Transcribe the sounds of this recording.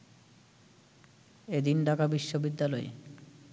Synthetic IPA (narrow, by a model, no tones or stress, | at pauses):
ed̪inɖakabiʃːobid̪ːalɔe